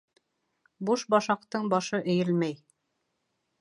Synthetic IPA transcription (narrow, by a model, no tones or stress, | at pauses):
buʃbɑʃɑqt̪ɤɴbɑʃɤʔɘ̆jɘlmæj